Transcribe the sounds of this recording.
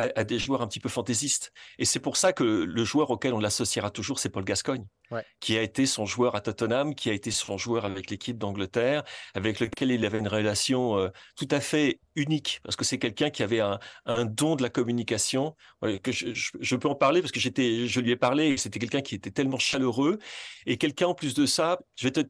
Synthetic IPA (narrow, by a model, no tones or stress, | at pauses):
aʔad̪eʒwœʁɛ̃pət̪ipøfɑ̃t̪ezist̪esɛpuʁsakələʒwœʁokʲɛlɔ̃lasɔsiʁat̪uʒuʁsɛpɔlɡaskɔɲ | kʲiaet̪esɔ̃ʒwœʁat̪ɔt̪ɔnamkʲiaet̪esɔ̃ʒwœʁavɛklekʲʰip̚d̪ɑ̃ɡlət̪ɛːʁavɛkləkʲɛlilavɛynʁelasjɔ̃øt̪ut̪afɛ | ynikpaʁsə̥kəsɛkʲɛlkʲɛ̃kʲiavɛɛ̃ɛ̃d̪ɔ̃d̪əlakɔmynikasjɔ̃a̰kəʒəəʒəpøɑ̃paʁlepaʁsə̥kəʒet̪ɛʒəlɥɛpaʁleset̪ɛk̬ʲɛlkɛ̃kʲiet̪ɛt̪ɛlmɑ̃ʃaløʁøekʲɛlkɛ̃ɑ̃plys̬d̪əsaʒəvɛt̪ə